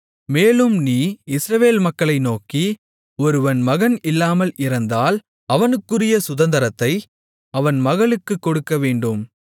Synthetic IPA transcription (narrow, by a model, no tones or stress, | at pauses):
meːlɯmniːɪsɾɐʋeːlmɐkːɐɭɐɪnoːki | ɔɾɯʋɐnmɐɣɐnɪlːaːmɐlʔɪɾɐnd̪aːl | ɐʋɐnɯkːɯrɪjɐsʊðɐnd̪ɐɾɐt̪ːɐɪ | ɐʋɐnmɐɣɐɭɯkːɯkːɔɽɯkːɐʋeːɳɖɯm